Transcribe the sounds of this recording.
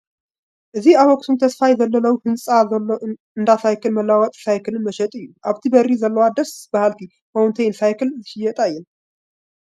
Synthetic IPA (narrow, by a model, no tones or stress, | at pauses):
ʔɨzihawɔk̚ʼt̪ʰumt̪ʰəsfajɛzəlːələwhɨnsʼaəlː | ɨnd̪asajkʰɨlməlːawɔt̪ʼsajkʰɨlɨnməʃɛt̪ʼɨjːuʔaβt̪ʰibərizəlːəwad̪əsb̥ahalt̪i | hownt̪ʰejnsajkɨlzɨʃɪjːɛt̪ʼajːɛn